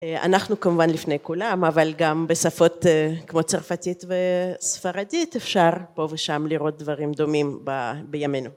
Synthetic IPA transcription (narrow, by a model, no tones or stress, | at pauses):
a̰naχnukamuvanlifnejkulamavalɡambesafo̞tekmo̞t͡saʁfatit̪vesfaʁaditefʃaʁpo̞veʃamliʁo̞t̪̚d̪vaʁimd̪omimbabejamenu